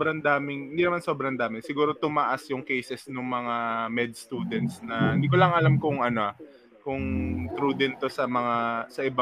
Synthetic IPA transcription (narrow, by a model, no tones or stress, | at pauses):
bɾɐnd̪aːmɪŋhɪnd̪inɐmanso̞ːbɾɐnd̪aːmɪŋsɪɡuːɾo̞t̪ʊmaʔasjʊŋkejsɛsnʊŋmɐŋamɛd̪̚st̪uːd̪ɛnt̪̚snɐɪnd̪ikolɐŋʔɐlamkʊŋʔɐno̞ʔɐ | kʊŋt̪ɾuːd̪ɪnt̪o̞sɐmɐŋasɐʔɪba